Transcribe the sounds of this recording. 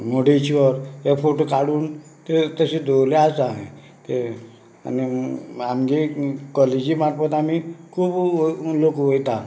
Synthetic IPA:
moɽet͡ɕiʋəɾjefoʈokaɽuːn | t̪et̪əsid̪ʱoleasaɦḛ̃ | t̪e | a̰niamɡikɔled͡ʑiːmaʈ̚pət̪amikʰuːblokʋojt̪a

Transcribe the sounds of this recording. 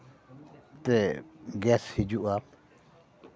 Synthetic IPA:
t̪ɛɡɛshid͡ʒuʔa

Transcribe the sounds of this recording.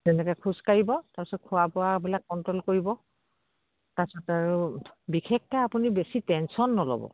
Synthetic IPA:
zɛnɛkɛkʰuskaɹibɔtapɛsɔt̚kʰʊapʊwabilakːɔntɹɔlkoɹibɔ | tasɔtaɹubikʰek̚tɛapunibesitɛnsɔnːɔlɔ̰bɔ̰

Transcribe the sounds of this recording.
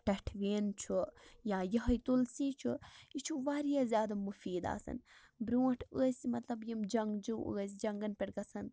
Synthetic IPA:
ʈɐʈʰʋeːnt͡ʃʰujaːjɐɦɐjt̪ulsiːt͡ʃʰuit͡ʃʰuʋaːɾijaːzʲjaːd̪amufiːd̪a̰ːsɐ̰n | bɾuːʈʰəːsʲmɐt̪lɐbjimd͡ʒɐŋɡd͡ʒuə̰ːsʲd͡ʒɐŋɡɐnpʲeɽɡɐsɐn

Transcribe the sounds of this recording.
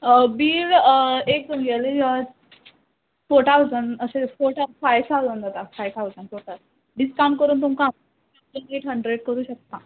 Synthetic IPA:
biːɾek̚ənɡɛled͡ʑa | foʈ̪ʰawzənəsẽfoʈafajsalond̪at̪afajt̪ʰawzənfoʈal | ɖiskamkəɾuːnt̪umkaam | eneʈɦəɳɖɾeɽkəɾuːɕək̚t̪a

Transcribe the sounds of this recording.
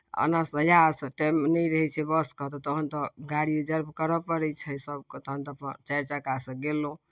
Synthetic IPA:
ə̰nasəjasʈɛmnɛjɾəɦɛt͡ʃʰɛbəskəɦt̪ɔt̪ɔəɦənt̪ɔɡaɽied͡ʒəɾbʱkəɾəpəɾɛt͡ʃʰɛsəb̚ket̪əɦənt̪ɔpə̰t͡ʃəɾt͡ʃakasə̃ɡelõ

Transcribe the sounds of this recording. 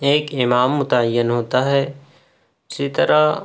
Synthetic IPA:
eːkɪmaːmːʊt̪aəjːənɦoːt̪aɦɛː | ʊsit̪ɐɾa

